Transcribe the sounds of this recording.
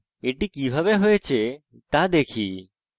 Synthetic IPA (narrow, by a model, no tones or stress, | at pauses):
eʈikibʱabeɦoet͡ɕʰe | t̪ad̪ekʰḭ